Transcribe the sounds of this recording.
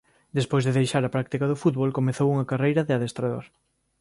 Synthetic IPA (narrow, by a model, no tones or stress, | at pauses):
d̪espojzðeðejʃaɾapɾak̚t̪ikaðʊfut̪βolkomeθowuŋɐkarejɾɐðɪaðest̪ɾaðo̰ɾ